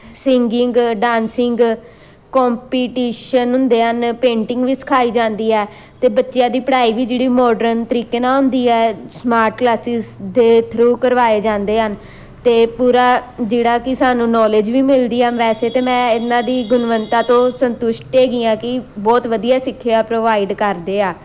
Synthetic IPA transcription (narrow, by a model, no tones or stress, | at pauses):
sɪŋɡɪŋɡɖãːnsɪŋɡ | kɔːmpiːʈiːʃənɦʊ̃nd̪eːɦənpẽːɳʈɪ̃ŋɡʋiːsə̥kʰaːiːd͡ʒãːnd̪iːɛː | t̪eːbətːʃɪjãːd̪iːpɽaːiːʋiːd͡ʒeːɽiːmɔːɖəɾənt̪əɾiːkeːnãːɦʊ̃nd̪iːɛːsmaːɾʈklaːsɪsd̪eːt̪ʰɾuːkəɾʋaːeːd͡ʒãːnd̪eːɦən | t̪eːpuːɾaːd͡ʒeːɽaːkɪsaːnũːnɔːleːd͡ʒʋiːmɪld̪iːaʋɛːseːt̪eːmɛ̃ːɪnãːd̪iːɡʊnʋənt̪aːt̪õːsənt̪ʊʃʈeːɡɪːãːkɪbɔːt̪ʋəd̪ijaːsɪkʰːɪjaːpɾoːʋaːɪɖkəɾd̪eːaː